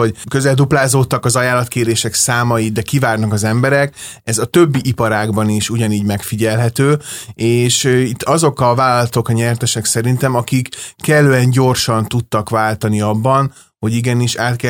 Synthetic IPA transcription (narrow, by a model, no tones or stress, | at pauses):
okøzɛld̪uplaːzoːt̪ːɒkɒzɒjaːlɒt̪keːɾeːʃɛksaːmɒjid̪ɛkivaːrnɒkɒzɛmbɛɾɛk | ɛzɒt̪ø̞bːiʔipɒɾaːɡbɒniʃuɟɒniːɟmɛkfiɟɛlɦɛt̪øːeːʃit̪ːɒzo̞kɒvaːlɒlɒt̪o̞kɒɲɛrt̪ɛʃɛksɛɾint̪ɛmɒkikːɛlːøːɛɲɟo̞rʃɒnt̪ut̪ːɒkvaːlt̪ɒniɒbːɒn | ho̞ɟiɡɛniʃaːt̪kɛ